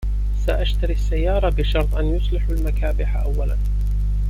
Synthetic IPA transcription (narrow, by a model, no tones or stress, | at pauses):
saʔaʃt̪aɾiʔasːajːɑːɾˤɑbɪʃɑɾˤt̪ˤʔanjʊsˤlɪħalmakaːbɪħaʔawːalan